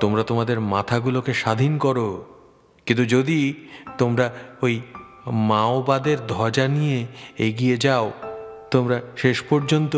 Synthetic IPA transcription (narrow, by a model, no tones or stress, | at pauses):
t̪omɾat̪omad̪eɾmat̪ʰaɡulokeʃad̪ʱinkɔɾo | kint̪ud͡ʑod̪it̪omɾaoj | maobad̪eɾd̪ʱɔd͡ʑanijeeɡied͡ʑaot̪omɾaʃeʃpoɾd͡ʑont̪o